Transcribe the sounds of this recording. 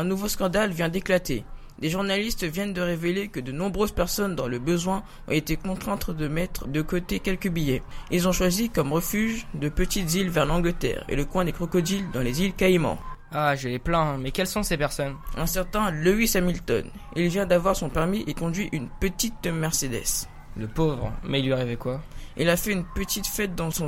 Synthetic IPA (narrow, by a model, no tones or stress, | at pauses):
ɛ̃nuvoskɑ̃d̪alvjɛ̃d̪eklat̪e | d̪eʒuʁnalist̪vjɛnd̪əʁevelekəd̪ənɔ̃bʁøz̥pɛʁsɔnd̪ɑ̃ləbəzwɛ̃ | ɔ̰̃et̪ekɔ̃t̪χɛ̃t̪χəd̪əmɛt̪χd̪əkot̪ekʲɛlkəbijɛilzɔ̃ʃwazikɔmʁəfyʒd̪əpət̪it̪zilvɛʁlɑ̃ɡlət̪ɛ̰ːʁḛləkwɛ̃d̪ekχɔkɔd̪ild̪ɑ̃lezilkaimɑ̰̃ | aʒəleplɛ̃mɛkʲɛlsɔ̃sepɛʁsɔnɛ̃sɛʁt̪ɛ̃luisamilt̪ɔ̰n | ilvjɛ̃d̪avwaʁsɔ̃pɛʁmiʔekɔ̃d̪ɥiʔynpət̪it̪̚əmɛʁsed̪ɛ̰s | ləpovʁmɛlɥaʁivɛkwaḭlafɛynpət̪it̪fɛt̪̚d̪ɑ̃sɔ̃